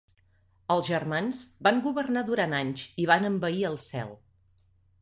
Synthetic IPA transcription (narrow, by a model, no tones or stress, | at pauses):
əlˠzʒərmanzbaŋɡuβərnaðuɾanaɲziβ̞anəmbəiəlˠsɛ̰lˠ